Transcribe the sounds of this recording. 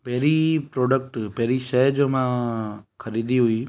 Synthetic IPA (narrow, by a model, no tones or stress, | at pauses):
pɛɾipɾɔɖək̚ʈpeɾiʃəɦd͡ʒomãkʰəɾid̪iɦoi